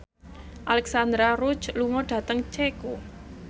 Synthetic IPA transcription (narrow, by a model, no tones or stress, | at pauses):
ʔalɛksand̪ɾaɾut͡ʃluŋɔɖ̥a̤t̪əŋt͡ʃeku